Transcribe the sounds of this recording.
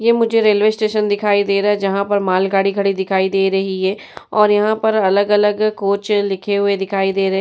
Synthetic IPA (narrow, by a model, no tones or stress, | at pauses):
jeːmʊ̃d͡ʒʱeɾeːlʋeːsʈeːʃənd̪ɪkʰaːid̪eːɾɛːd͡ʒɐɦãːpəɾmaːlɡaːɽiːkʰəɽid̪ɪkʰaːiːd̪eːɾəɦiɦɛː | ɔːɾjɐɦãːpəɾələɡələɡkoːt͡ʃlɪkʰeɦʊed̪ɪkʰaːid̪eːɾɐɦ